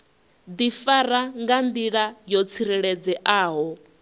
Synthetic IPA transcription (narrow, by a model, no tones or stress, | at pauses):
d̪ifaɾaŋɡand̪iɺajɔt͡sʰiɾɛɺɛd͡zɛʔaːɦɔ